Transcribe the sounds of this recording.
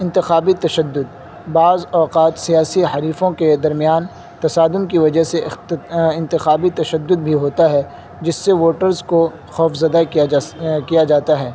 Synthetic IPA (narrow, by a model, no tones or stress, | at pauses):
ɪ̃nt̪ɪxaːbit̪ɐʃəd̪ːʊd̪̚ | baːzɔːqaːt̪sijaːsiɦɐɾiːfõked̪ɐɾmijaːn | t̪ɐsaːd̪ʊnkiʋɐd͡ʒəseɪɪ̃nt̪ɪxaːbit̪ɐʃəd̪ːʊd̪̚bʱiɦoːt̪aɦɛ | d͡ʒɪsːeʋoːʈəɾzko | xɔːfzɐd̪a | kijad͡ʒaːt̪aɦɛː